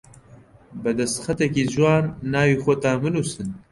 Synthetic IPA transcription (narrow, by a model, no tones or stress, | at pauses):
bɛd̪ɛst̪xɐt̪ɛkiːʒuwaːnːaːwiːxɔt̪aːmɨnuːsɨn